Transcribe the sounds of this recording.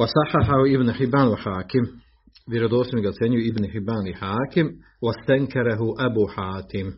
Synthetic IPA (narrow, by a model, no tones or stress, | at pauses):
wasɑħːaħaɦuibnħɪbːaːnwaħaːkɪm | ʋjeɾod̪oːsmiɡat̪seɲujuibnħɪbːaːnlɪħaːkɪm | wast̪aŋkʰaɾaɦuʔabuːħaːt̪ʰɪm